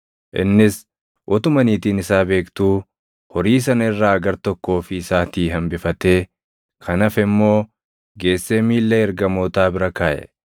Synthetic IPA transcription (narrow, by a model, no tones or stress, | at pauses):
ʔɪ̰nːɪs | wʔɔt̪ʊmɐniːt̪iːnɪsaːbe̞ːkt̪uː | hɔɾiːs̬ɐnɐɪrːaːɐɡɐɾt̪ɔkːo̞ːfɪːsaːt̪iːɦɐmbɪfɐt̪e̞ː | kʰɐnɐfɪmːo̞ː | ɡe̞ːsːeːmiːlːɛɛɾɡɐmoːt̪aːbɪɾɐkaːʔɛ̰